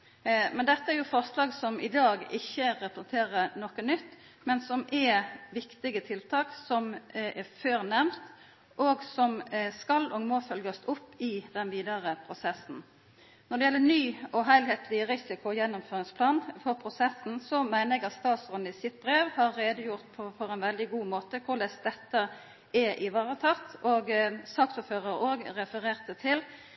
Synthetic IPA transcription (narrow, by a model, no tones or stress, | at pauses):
mɛnd̪ɛt̪ːəæːɾjʊfɔʁslɑːɡsɔmɪd̪ɑːɡɪçːəɾɛpɾəsɛnt̪ʰeːɾənɔkənʏt̪ː | mɛnsɔmʔɛʋɪkt̪ɪɡət̪ʰɪlt̪ʰɑːksɔmɛføːɾənɛmt̪ | ʔoɡsɔmskɑlɔːɡmoːfœlɡəsʊpːɪd̪ɛnʋiːd̪ɑɾəpʰɾʊsɛsn̩ | nɔʁɖ̪ɛjɛlːənyːɔɦæɪlheːt̪lɪəʁɪsɪkʊɔjɛnːʊmføːʁɪŋspʰlɑːnfɔʁpʰɾʊsɛsn̩sɔmæɪnəɛɡɑt̪st̪ɑːt̪sɔnːəɪsɪt̪̚bɾeːʋhɑɾːeːd̪əjʊʁt̪̚pʰɔfɔɾɛnʋɛld̪ɪɡuːmoːt̪əkʰʊʁlɛst̪̚d̪ɛt̪ːə | ɛʔɪʋɑːɾət̪ʰɑt̪oːɡsɑk̚t̪ʊːpføːɾəɾoːɡɾɛfəɾeːʁt̪ət̪ʰɪl